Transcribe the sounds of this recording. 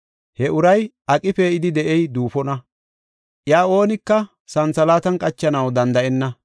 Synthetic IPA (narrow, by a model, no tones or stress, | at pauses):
hɛʔʊɾɐj | ɐkʼɪfeɪd̪ɪd̪ɛʔɛjd̪uːfɔnɐ | ʔjaːo̞ːnɪkːɐ | sɐnt͡sɐlaːt̪ɐnkʼɐt͡ʃːɐnɐwd̪ɐnd̪ɐʔɛnːɐ